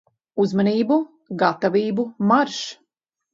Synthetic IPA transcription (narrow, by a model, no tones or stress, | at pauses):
uzmaniːbu | ɡat̪aviːbumaɾʃ